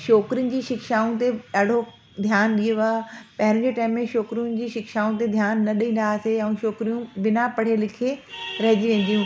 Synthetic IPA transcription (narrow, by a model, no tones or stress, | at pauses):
ʃoːkɾijʊnɪ̆d͡ʑiːʃɪkʃaːũt̪̬eɗaːɖ̤ʱo | d̪ʱjaːnɗioʋaːpɐɦɪɾʊ̃̆d͡ʑeːʈaːmːẽʃoːkɾijʊnɪ̆d͡ʑiːʃɪkʃaːũt̪̬ed̪ʱjaːnːɐɗĩːn̆d̪aseɛ̃ːʃoːkɾijũʋɪnapɐɽ̤elɪkʰeɾɐɦɪ̃d͡ʑiʋẽːn̆d̪ijũ